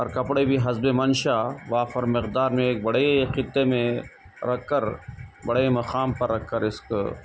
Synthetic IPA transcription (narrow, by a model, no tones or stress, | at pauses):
ɐɾkɐpɽebʱiɦɐzbemɐnʃaʋaːfɐɾmɪqd̪aːɾmẽeːk̚bɐɽeqɪt̪ːemẽ | ɾɐkːɐɾbɐɽeemɐxaːmpɐɾːɐkʰːɐɾɪsk